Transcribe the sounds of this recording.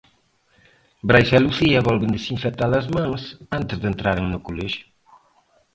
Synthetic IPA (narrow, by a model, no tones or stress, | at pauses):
bɾajʃaluθiɐβɔlβɪnd̪esiɱfet̪alɐzmãŋsant̪ɪzðent̪ɾaɾeŋnʊkoleʃʊ̥